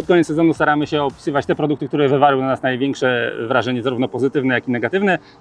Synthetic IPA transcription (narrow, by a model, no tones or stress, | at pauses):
ɔt̪kɔɲetsːɛzɔnust̪aɾamɘɕɛɔpʲi̥sɘvat͡ɕt̪ɛpɾɔd̪ukt̪ɘk̚t̪uɾɛvɘvalwnanasnajvʲjɛŋkʂɛvɾaʐɛɲɛzaɾuvnɔpɔzɘt̪ɘvnɛjakinɛɡat̪ɘvnɛ